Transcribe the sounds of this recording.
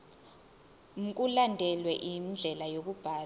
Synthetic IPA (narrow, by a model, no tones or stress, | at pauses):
ŋ̩kʼulandʱɛlwɛʔimd͡ɮʱɛlajok̬ub̥ʱaː